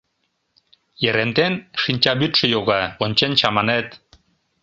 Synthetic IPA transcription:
jeɾent̪enʃinʲt͡ɕɑβyt̪ʃə̆joɣɑonʲt͡ɕent͡ɕɑmɑnet̪

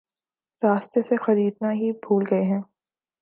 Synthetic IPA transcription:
ɾaːst̪esexɐɾiːd̪naɦibʱuːlɡɐeɦɛ̃ː

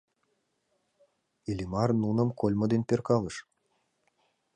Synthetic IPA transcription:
ilʲimɑrnunɤ̆mkolʲmɤ̆d̪enpʲerkɑlˠɤ̆ʂ

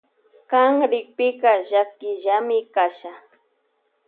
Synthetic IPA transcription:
kaŋɾɪk̚pɪkaʒakɪʒamɪkaʃa

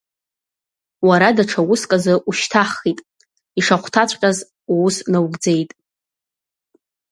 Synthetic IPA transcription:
waɾadaʈ͡ʂʰawʊskʼazɨʔuʃtʰaχitʼ | iʂaχʷtʰat͡ɕʷʰʼqʲʼaz | owusnawɡd͡ze̞jtʼ

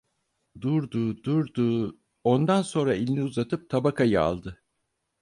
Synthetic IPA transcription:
d̪uɾd̪uːd̪uɾd̪uː | ond̪anso̞nɾailʲnʲiuzat̪ʰɯp̚t̪ʰabakʰajɯa̰lˠd̪ɯ

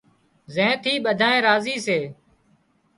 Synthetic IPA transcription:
zẽːt̪ʰiːɓəd̪ʱãːẽːɾaːziːseː

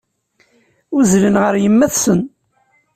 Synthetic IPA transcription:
uzlənʁəɾjəmːæθsən

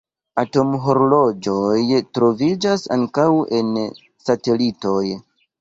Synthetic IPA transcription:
ato̞mɦo̞ɾolod͡ʒojtɾo̞vid͡ʒasa̰ŋkawen | sate̞lito̞j

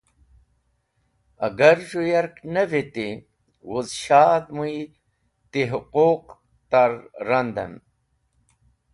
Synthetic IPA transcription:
ɐɡɐɾʐujɐɾknɐvit̪i | wuzɕaːd̪muj | t̪iɦʊquq | t̪aɾːɐnd̪ɐ̰n

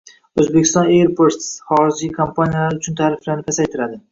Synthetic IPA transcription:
ɵzbekʲɪ̥st̪ɒnejɾpʰoɾt̪sχɒɾɪd͡ʒijkʰompʰanijalaɾʊt͡ʃʰʊnt̪ʰaːɾɪflaɾnɪkʲʰasajt̪ʰɪɾad̪ɪ

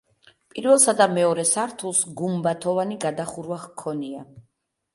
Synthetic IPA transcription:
pʼiɾvɛlˠsad̪amɛɔɾɛsaɾt̪ʰulˠsɡumbat̪ʰɔvaniɡad̪aχuɾvaχkʰːɔnia

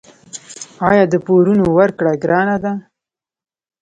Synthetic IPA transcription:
ɑjɑd̪əpoɾunowaɾkɽaɡɾɑnad̪a

